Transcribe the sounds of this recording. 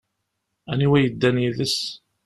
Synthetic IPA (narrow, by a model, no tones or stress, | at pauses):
æniwæjəd̪ːæniðəs